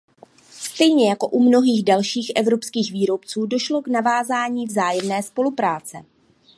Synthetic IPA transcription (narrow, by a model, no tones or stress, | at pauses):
st̪ɛjɲɛjako̞ʔumno̞ɦiːɣdalʃiːxʔɛvɾo̞pskiːxviːɾo̞pt͡suːdo̞ʃlo̞knavaːzaːɲiːvzaːjɛmnɛːspo̞lupɾaːt͡sɛ